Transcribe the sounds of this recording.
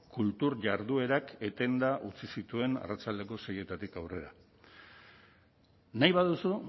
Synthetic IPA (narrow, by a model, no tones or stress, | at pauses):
kult̪uɾʝaɾðue̞ɾake̞t̪e̞nd̪aʔut͡sisit̪ue̞na̰rat͡sald̪e̞ko̞seje̞t̪at̪ikawre̞ɾa | najβaðusu